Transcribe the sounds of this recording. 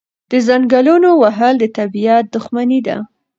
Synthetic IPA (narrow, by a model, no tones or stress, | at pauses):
d̪̥əzaŋɡalunowaɦald̪ət̪abijat̪̚d̪ʊxmanid̪a̰